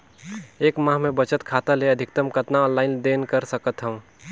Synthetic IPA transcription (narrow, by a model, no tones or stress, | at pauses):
eːkmãːɦmẽbət͡ʃət̪kʰaːt̪aleɐd̪ʱɪkt̪əmkət̪naɔ̃ːnlaːɪnd̪eːnkəɾsəkət̪ɦə̃ũ